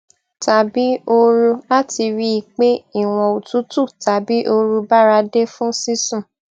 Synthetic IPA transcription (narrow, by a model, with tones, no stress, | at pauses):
ta˨bi˨˦o˧ɾu˧la˦ti˧ɾi˦i˧˨k͡pe˦i˦˨w̃ɔ̃˨o˨tu˨˦tu˦˨ta˨bi˨˦ʔo˧ɾu˧ba˦ɾa˧de˦fũ˦si˦sũ˦˨